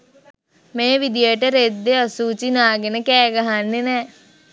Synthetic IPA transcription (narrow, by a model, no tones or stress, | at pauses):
meːʋid̪ijəʈəɾed̪ːeəsuːt͡ʃinaːɡenəkɛːɡɐɦanːenɛː